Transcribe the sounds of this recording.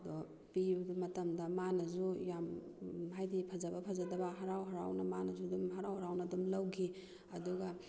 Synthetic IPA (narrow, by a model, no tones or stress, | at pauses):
dɔ | pimɐtɐmdɐmanɐzujamɦajdipʰɐzɐbɐpʰɐzɐdɐbɐɦɐɾawɦɐɾawnɐmanɐzudumɦɐɾawhaɾawnɐdumlɐwɡi | ɐduɡɐ